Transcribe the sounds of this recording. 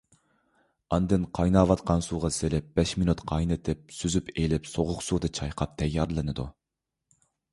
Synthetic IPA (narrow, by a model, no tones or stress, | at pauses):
ɑnd̪ɨnqʰɑjnɑːvɑt̪qʰɑnsuːʁɑselɪp̚b̥ɛʃminut̪qʰɑjnɨt̪ʰɪp̚syzypelɪpsoʁʊqsuːd̪ɨt͡ʃʰɑjqʰɑp̚t̪ʰɛjːɑɾlˠɨnɨd̪u